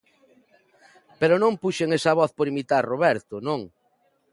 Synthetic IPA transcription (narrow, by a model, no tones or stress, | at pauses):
peɾʊnõmpuʃeŋesɐβɔθpoɾimit̪aɾroβɛɾt̪ʊnõŋ